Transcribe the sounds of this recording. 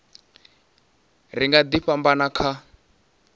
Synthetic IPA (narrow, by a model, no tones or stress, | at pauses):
riŋɡad̪iɸambanakʰa